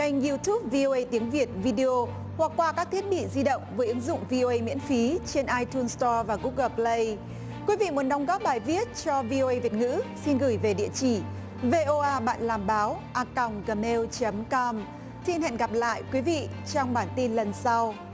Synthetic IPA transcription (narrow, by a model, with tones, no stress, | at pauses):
a˧jŋ̟ju˧t̪ʰu˦˥p̚vi˧ʔo˧ʔə˧jt̪i˨˦əŋvi˨˩ət̚vi˧ɗi˧o˧ | hwa˨˩k̚ːwaː˧˩kaː˦˥k̚t̪ʰi˦˥ət̚ɓḭ˧˨zi˧ɗə̰˧˨wŋ͡mvəː˨˦jʔɨ˨˦ŋzʊ̰˧˨ŋ͡mvi˧ʔo˧ʔə˧jmḭ˧˥ənfi˨˦t͡ɕe˧nʔaː˧jt̪ʰu˧nst̪ɔ˧vaː˨˩ɣu˦˥k̚ɣəː˧˩plə˧j | kwi˨˦vḭ˧˨mu˨˦ənɗa˨˦wŋ͡mɣɔ˦˥p̚ɓaː˨˩jvi˦˥ət̚t͡ɕɔ˧vi˧o˧ʔə˧jvi˨˩ət̚ŋɨ̰˧˥si˧nɣɨ˧˩jve˨˩ɗḭ˧˨ət͡ɕi˧˩ | ve˧ʔo˧ʔaː˧ɓa̰ː˧˨nlaː˨˩mɓaː˨˦wʔaː˧˩ka˨˩wŋ͡mɣə˨˩me˧wt͡ɕə˨˦mkɔ˧m | t̪ʰi˧nhɛ̰˧˨nɣa˨˩p̚la̰ː˧˨jkwi˨˦vḭ˧˨ | t͡ɕɔ˧wŋ͡mɓaː˧˩nt̪i˧nlə˨˩nsa˧w